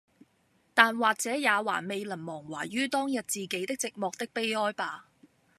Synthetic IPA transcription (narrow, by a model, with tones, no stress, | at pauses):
t̪aː˨nwaː˨k̚t͡sɛː˨˥jaː˨˧wa̰ː˨˩me˨˧jlɐ˨˩nmɔː˨˩ŋwa̰ː˨˩ɥyː˥t̪ɔː˥ŋjɐ˨t̚t͡siː˨ke˨˥jt̪ɪ˥k̚t͡sɪ˨k̚mɔː˨k̚t̪ɪ˥k̚pe˥jɔː˥jpaː˧